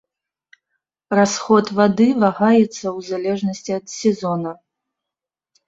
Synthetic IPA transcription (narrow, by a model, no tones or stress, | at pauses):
rasxɔt̪vad̪ɨvaɣajɛt̪sːɐwzalʲɛʐnɐsʲt͡sʲiɐt̪sʲɛzɔnɐ